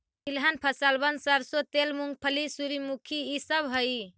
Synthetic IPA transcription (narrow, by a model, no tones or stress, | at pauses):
ilɦanpʰəsalbənsəɾsot̪elmuŋɡ̚pʰəlisuɾimukʰiːsəbɦoj